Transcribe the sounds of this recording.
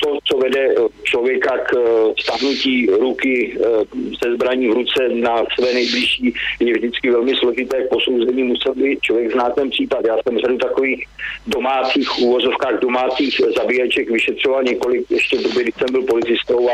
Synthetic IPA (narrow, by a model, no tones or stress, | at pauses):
t̪ot͡so̞vɛdɛt͡ʃlovjɛkakfst̪aɦnuciːɾukɪ | zɛzbɾaɲiːvɾut͡sɛnasvɛːnɛjblɪʃiːjɛvʒdɪt͡skɪvɛlmɪslo̞ʒɪt̪ɛːk̚po̞sowzɛɲiːmusɛlbiːt̪̚t͡ʃlovjɛɡznaːt̪ːɛnpr̥iːpat̪jaːsɛmradut̪ako̞viːxdo̞maːt͡siːxʔuːvo̞zo̞fkaːɣdo̞maːt͡siːxzabijɛt͡ʃɛkvɪʃɛt̪r̝̥ovalɲɛko̞lɪkjɛʃcɛdobɪɡdɪçsɛmbɪlpo̞lɪt͡sɪst̪owa